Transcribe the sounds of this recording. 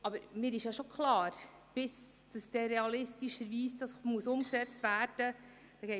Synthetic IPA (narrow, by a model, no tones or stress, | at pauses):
ɑbəɾmɪːɾɪʃjɑʃokʰlɑːɾ | b̥ɪs | d̥əsd̥ɛːɾɛɑlɪstiʃəɾviːsd̥ɑsmuəsʊmksɛt͡stvæːɾd̥ə | d̥ɑɡ̥ɛɪ